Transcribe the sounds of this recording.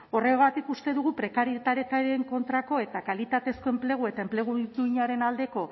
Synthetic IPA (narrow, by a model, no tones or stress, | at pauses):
o̞reɣat̪ikust̪e̞ðuɣupɾe̞kaɾit̪aɾjet̪aɾeŋko̞nt̪ɾako̞e̞t̪akalit̪at̪e̞sko̞e̞mple̞ɣ̞ue̞t̪aemple̞ɣ̞uuiɲaɾe̞nald̪e̞ko̞